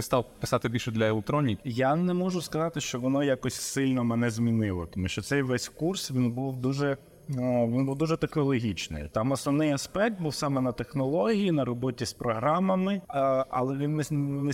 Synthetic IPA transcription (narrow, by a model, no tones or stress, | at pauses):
ɪst̪ɑwpɪ̥sɑt̪ɪbʲilʲʃʊd̪lʲɐelˠɪk̚t̪ɾɔnʲikʲjanɛmɔʒʊskɐzɑt̪ɪʃt͡ʃɔʋɔnɔjakɔsʲsɪlʲnɔmɛnɛzmʲinɪlˠɔt̪ɔmuʃt͡ʃɔt̪sɛjʋɛsʲkursʋʲinbuwd̪uʒɛ | ʋinbuwd̪uʒɛt̪ɐklˠɔɦʲit͡ʃnɪ̰jt̪ɑmɔsnɔʋnɪjɐspɛk̚t̪̚buwsɑmɛnɐt̪exnɔlˠɔɦʲijinɐɾɔbɔtʲispɾɔɦɾɑmɐmɪɐ̰lˠɛʋʲinɛnɪ